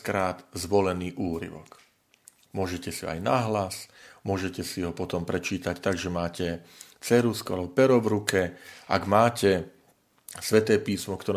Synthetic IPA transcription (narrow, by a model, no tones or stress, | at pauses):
kɾaːd̪zʋɔlɛniːʔuːɾḭʋɔ̰k | mʊɔʒɛcɛsia̰jnaɦlasmʊɔʒɛcɛsiɦɔpɔt̪ɔmpɾɛt͡ʃiːt̪act̪aɡʒɛmaːcɛ | t͡sɛɾuskɔa̰lɛbɔpɛɾɔvɾukɛʔa̰ɡmaːcɛ | sʋɛt̪ɛːpiːsmɔkt̪ɔɾ